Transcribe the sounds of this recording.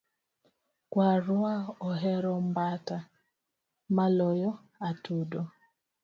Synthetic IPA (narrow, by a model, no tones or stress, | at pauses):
kwaɾʊaɔɦɛɾɔm̩bata | malɔjɔ | atudɔ